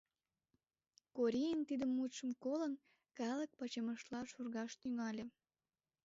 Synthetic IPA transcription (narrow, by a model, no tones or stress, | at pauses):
koɾʲijənt̪id̪əmːut̪ʃə̆mkolən | kɑlək̚pɑt͡ɕəməʃlɑʃurɣɑʃt̪yŋɑlʲĕ